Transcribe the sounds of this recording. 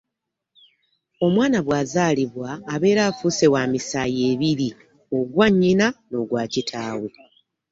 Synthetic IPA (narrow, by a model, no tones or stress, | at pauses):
o̞mwaːnaβwaːzaːliβwaːβe̞ːɾaːfuse̞waːmisaːje̞ːβiɾi | o̞ɡwaɲːinano̞ɡwaːcitʰaːwu